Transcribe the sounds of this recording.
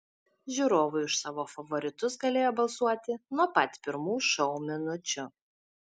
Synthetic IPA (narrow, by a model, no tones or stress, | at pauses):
ʒʲuːɾoːʋʊɪʊʃsɑːʋoːfɐʋɔɾʲɪt̪ʊs̬ɡɐlʲeːjoːbɐlˠsuɔt̪ʲɪnuɔpɐt̪ʲpʲɪɾmuːʃɔʊmʲɪnʊt͡ʃʲʊ